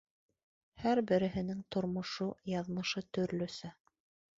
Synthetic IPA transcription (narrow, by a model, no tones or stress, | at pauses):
hæɾbɘ̆ɾɘ̆ɦɘ̆nɘŋt̪ŏɾmŏʃujɑðmɤ̆ʃɤt̪ɵ̆ɾlɵ̆sɘ